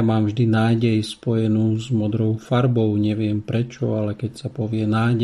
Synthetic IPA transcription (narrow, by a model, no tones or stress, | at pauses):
maːmvʒd̪inaːɟɛjspɔjɛnuːzmɔd̪ɾɔʊfaɾbɔʊɲɛʋɪɛmpɾɛt͡ʃɔalɛkɛcsapɔʋɪɛnaːɟ